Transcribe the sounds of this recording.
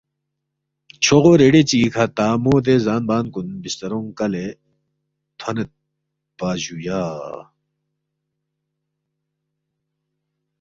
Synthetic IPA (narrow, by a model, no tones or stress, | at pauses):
t͡ɕʰoɣoːɾeɖet͡ɕiːkʰɐt̪aːmoːd̪ezaːnbaːnkunbist̪ɐɾõŋkɐle | t̪ʰɐnet̪̚ | b̥aːʑujaː